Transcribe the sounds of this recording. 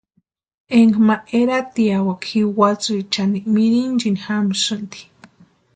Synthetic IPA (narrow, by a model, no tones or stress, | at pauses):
eŋɡmaʔeɾat̪iawakxiwat͡sɨit͡ʃanimiɾind͡ʒinixamsɨnd̪i̥